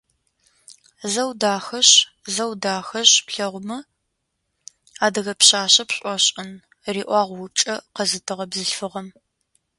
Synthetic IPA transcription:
zɐwdaːxɐɕzɐwdaːxɐɕpɬɐʁʷmɐ | aːdɐɣɐpɕaːɕɐpɕʼɔɕʼɪn | riːʔʷɑːʁʷwʊʈ͡ʂʼɐqɐzɨtʰɨʁɐbzɨɬfɨʁɐm

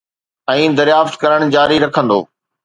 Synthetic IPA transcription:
ɛ̃ːd̪ɐɾjaːft̪kɐɾəɽ̃d͡ʑaːɾiɾɐkʰə̃nd̪o̰ː

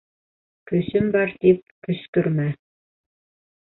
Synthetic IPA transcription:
kɵ̆sɘmbɑɾt̪ip̚kɵ̆skɵ̆ɾmæ

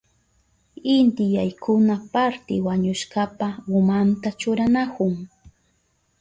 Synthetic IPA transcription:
ɪnt̪ɪjajkʰʊnapaɾt̪ɪwaɲʊʃkapaʊmant̪at͡ʃʊɾanakʊŋ

